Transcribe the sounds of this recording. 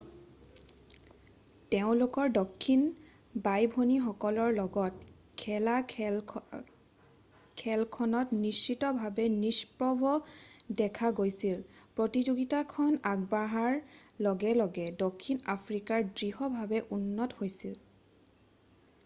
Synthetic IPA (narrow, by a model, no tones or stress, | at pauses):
teʊ̃lokɔɹdokʰːin | bajbʱonixɔkɔlɔɹlɔɡɔt̚ | kʰɛla | kʰɛlkʰɔnɔtnisːitɔbʱabɛnispɹɔbɔdɛkʰaɡojsilpɹotizoɡitakʰɔnaɡ̚baɦaɹlɔɡɛlɔɡɛdokʰːinapʰɹikaɹdɹiɦɔbʱabɛʔunːɔthojsil